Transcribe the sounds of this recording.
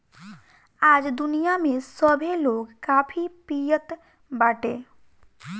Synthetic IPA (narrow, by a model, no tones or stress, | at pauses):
aːd͡ʒd̪unijamẽsəbʱeloɡkaːpʰipijət̪ | baːʈe